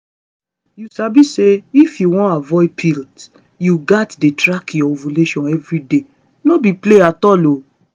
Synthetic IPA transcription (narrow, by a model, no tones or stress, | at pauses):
jusabiseifjuwɔ̃avɔɪpʰilt | juɡatdetɹakjɔvuleʃɔ̃nɛvɾide | nɔbipleatɔlo